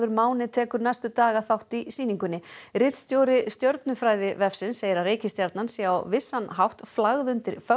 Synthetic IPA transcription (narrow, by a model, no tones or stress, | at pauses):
ðʏɾmaːwnɪt̪ʰɛːkʏɾnajst̪ʏt̪aːɣaθawht̪isiːniŋkʏnːɪɾɪt̪st̪joːwɾɪst̪jœwɾt̪nʏfɾaːjðɪvɛfsɪnsːejɪɾaɾeːjcɪst̪jaɾt̪nansɛawvɪsːanɦawht̪flaɣðʏnt̪ɪɾ̥fœ